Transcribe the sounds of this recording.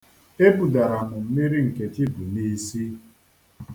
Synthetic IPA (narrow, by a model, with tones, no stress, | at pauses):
e˦bu˨da˨ɾa˨mʊ˨m̩˨mi˦ɾi˦ŋ̩˨ke˨t͡ʃi˦bu˨ni˦si˦